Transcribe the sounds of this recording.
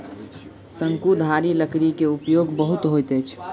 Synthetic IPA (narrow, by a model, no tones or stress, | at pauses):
səŋkud̪ʱaɾiləkɽikeupjoɡbəɦut̪ɦojt̪əjt͡ʃʰ